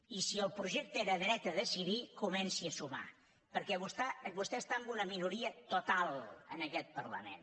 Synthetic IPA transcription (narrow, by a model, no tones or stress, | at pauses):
isiəlˠpɾuʒek̚t̪əeɾəðɾɛt̪əðəsiðikumɛnsiəsuma̰ | pəɾkɛβust̪abust̪ɛəst̪aəmbunəminuɾiət̪ut̪alˠə̰nəkɛt̪̚pəɾlə̰mḛn